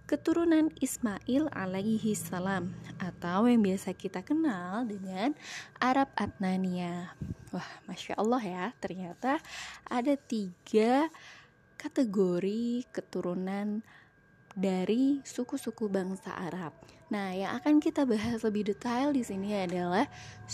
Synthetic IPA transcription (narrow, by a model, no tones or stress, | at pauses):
kət̪uɾunanismaʔɪla̰laiɦisalamʔat̪awjaŋbiasakit̪akənaldəŋanʔaɾap̚at̪̚naniawahmaʃa̰ʔɔlˠːɑɦjat̪ərɲat̪aʔadat̪iɡa | kat̪əɡoɾikət̪uɾunan | daɾisukusukubaŋsa̰ʔa̰ɾap̚nahjaŋʔakankit̪abaɦasləbɪhdet̪aldisiniadalah